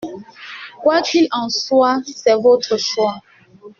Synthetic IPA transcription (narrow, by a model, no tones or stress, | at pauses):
kʷwat͡ʃilãn̩suasɛvotʰoʃua